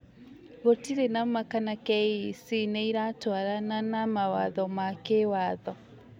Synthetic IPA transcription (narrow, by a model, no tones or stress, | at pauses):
ɣotiɾenamakanakɛisinɛiɾatwaɾananamawa̰ðɔmakewaðɔ